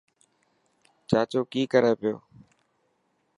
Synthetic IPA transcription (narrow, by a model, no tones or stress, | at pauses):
t͡ʃaːt͡ʃoːkiːkəɾeːpɪjo̰ː